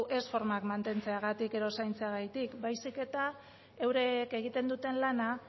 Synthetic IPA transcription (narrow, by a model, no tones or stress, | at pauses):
ʔe̞sfo̞ɾmakmant̪e̞nt͡se̞aɣ̞at̪ike̞ðo̞sajnt͡seaɣajt̪ikbajsike̞t̪a | ewɾeke̞ɣ̞it̪e̞nd̪ut̪e̞nlana